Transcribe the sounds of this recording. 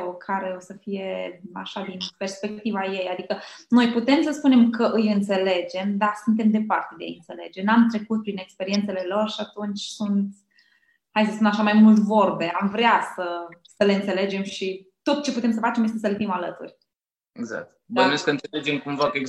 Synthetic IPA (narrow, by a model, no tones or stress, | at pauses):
o̞kʰaɾe̞o̞səfije̞a̰ʃad̪inpe̞rspe̞kk̚t̪ivaje̞jad̪ikəno̞jput̪e̞msəspune̞mkʰəʔɨjɨnt̪se̞le̞d͡ʒe̞md̪asunt̪e̞md̪e̞part̪e̞d̪ḛɨnt̪se̞le̞d͡ʒenamt̪ɾe̞kut̪̚pɾine̞kspe̞ɾie̞nt̪se̞le̞lo̞rʃiat̪unt͡ʃʲsunt̪ | hajs̬əsunt̪aʃamajmult̪vo̞rbe̞amvɾeasəsəle̞ɨnt̪se̞le̞d͡ʒe̞mʃit̪o̞t̪̚t͡ʃe̞put̪e̞ms̬əfat͡ʃe̞mjest̪e̞s̬əlefimalət̪ṵrʲ | eɡza̰k̚t̪d̪ənujeskəɨnt̪seled͡ʒemkumvakəeɡ